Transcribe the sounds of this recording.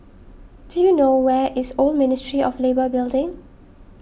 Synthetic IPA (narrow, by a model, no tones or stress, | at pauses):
d̥ujunowɛʔɪsolmɪnɪstɹiʔɔflebəbɪldɪ̃ŋ